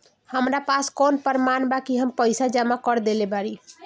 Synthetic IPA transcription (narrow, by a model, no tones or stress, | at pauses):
həmɾapaskonpəɾmanbakiɦəmpəjsad͡ʒamakəɾd̪elebaɾi